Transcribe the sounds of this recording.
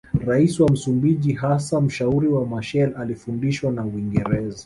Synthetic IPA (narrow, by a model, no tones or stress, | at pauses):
ɾaisiwam̩sumbiʄiɦasam̩ʃauɾiwamaʃɛlalifundiʃwanawiŋɡɛɾɛza